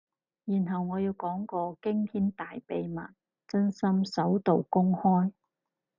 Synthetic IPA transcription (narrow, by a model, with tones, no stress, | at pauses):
jiː˨˩nɦɐ˨wŋɔː˨˧jiː˨˧wkɔː˨˥ŋkɔː˧kɪ˥ŋt̪ʰiː˥nt̪aː˨jpe˨jma̰ː˨˩n | t͡sɵ˥nsɐ˥msɐ˨˥wt̪o˨wkʊ˥ŋhɔː˥j